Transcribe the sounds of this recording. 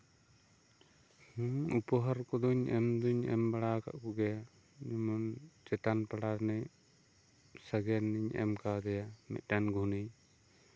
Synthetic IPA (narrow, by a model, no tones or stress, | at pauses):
huupɔɦɔɾkɔd̪uɲɛmd̪uɲɛ̰mbaɽaka̰ʔkuɡɛja | ɲɛmɔnd͡ʒɛt̪anpaɽanɛj | saɡɛnːiɲɛ̰mkad̪ɛjamɛ̰t̪̚ˀdanɡuni